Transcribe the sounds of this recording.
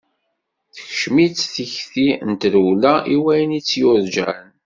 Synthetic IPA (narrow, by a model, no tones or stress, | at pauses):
θəçʃmit͡sθiçθint̪ɾulæiwæjənit͡sːjʊɾd͡ʒæ̰n